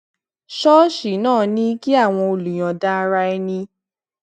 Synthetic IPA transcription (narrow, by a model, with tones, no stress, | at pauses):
ʃɔ˦ʃi˨˦nãː˦˨nĩ˦ki˦a˦˨w̃ɔ̃˧o˧lu˨j̃ã˨da˦˧ɾa˧ɛ˧nĩ˧